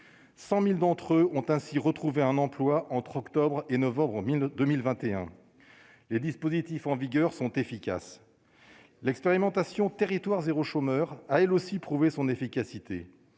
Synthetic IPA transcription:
sɑ̃mild̪ɑ̃t̪χøɔ̃t̪ɛ̃siʁət̪χuveɛ̃nɑ̃plwaʔɑ̃t̪χɔkt̪ɔbʁenɔvɑ̃bʁd̪əmilvɛ̃t̪eɛ̃ | led̪ispozit̪ifɑ̃viɡʲœʁsɔ̃t̪efikʲa̰s | lɛkspeʁimɑ̃t̪asjɔ̃t̪eʁit̪waʁzeʁoʃomœʁaɛlosipχuvesɔ̃nefikʲasit̪e

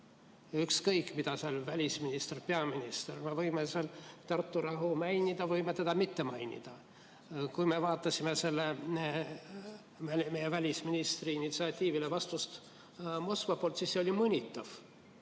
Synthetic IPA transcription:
ykskɤjkːˑmid̪ɑseɑlvælʲisminist̪erpe̞ɑminist̪erme̞vɤjmeselt̪ɑrt̪ːuɾɑɦumæjnid̪̥ɑvɤjmet̪ed̪̥ɑmit̪ːe̞mɑjnʲḭd̪̥ɑ | kujme̞vɑːt̪ːˑɑsimese̞lːe̞ | mejevælʲisminist̪riinit̪siɑt̪ʲːiːvile̞vɑst̪ust̪ | mo̞skvɑpolt̪siːsːe̞o̞lʲimɤnʲit̪ːˑɑv̥

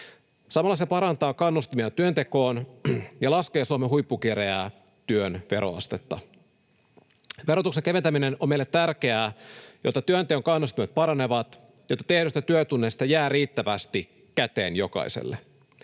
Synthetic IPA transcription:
sɑmɑlːɑsepɑɾɑnt̪ɑːkɑnːust̪imiɑt̪yønt̪e̞ko̞ːnjɑlɑske̞ːsuɑmeɦujpːuk̟iɾeæː | t̪yønʋe̞ɾo̰ɑ̰st̪et̪ːɑ | ʋe̞ɾo̞t̪ukseŋke̞ʋet̪æminenomejlet̪ːærk̟eæːjo̞t̪ːɑt̪yønt̪ekøŋkɑnːust̪imet̪̚pɑɾɑne̞ʋɑt̪ | jot̪ːɑt̪e̞hdyst̪æt̪yøt̪unːest̪ɑjæːriːt̪ːæʋæst̪i | kæt̪e̞̰ːnjo̞kɑ̰isḛlːe

